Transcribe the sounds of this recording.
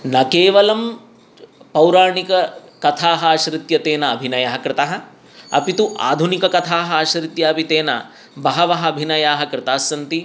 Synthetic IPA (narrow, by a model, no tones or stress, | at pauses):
nɐkeːʋɐlɐm | pɐwɾaːɳikɐkɐt̪ʰaːɦɐaʃɾɪt̪jɐt̪eːnɐːbʱinɐjɐɦɐkɾɪt̪ɐɦɐ̆ | ɐ̰pit̪uʔa̰ːd̪ʱunikɐkɐt̪ʰaːɦɐaːʃɾɪt̪jaːpit̪eːnɐ̰ | bɐɦɐʋɐɦɐɐbʱinɐjaːɦɐkɾɪt̪aːsɐnt̪i